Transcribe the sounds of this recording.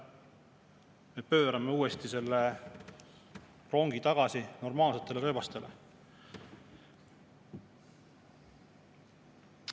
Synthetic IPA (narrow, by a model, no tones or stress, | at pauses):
me̞pø̞ːɾɑme̞uːe̞st̪ise̞lːe | ro̞ŋɡ̥it̪ɑɡ̥ɑsino̞rmɑːlse̞t̪ːˑe̞leɾɤːvɑst̪e̞lʔe